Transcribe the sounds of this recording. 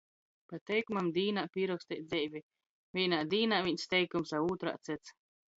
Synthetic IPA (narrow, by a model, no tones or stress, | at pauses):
pat̪ɛjkumamd̪iːnaːpʲiːɾɔkst̪ɛt̪zʲɛjvʲi | vʲiːnaːd̪iːnaːvʲiɲʲst̪ʲɛjkumsauːt̪ɾa̰ːt̪sʲɛt̪s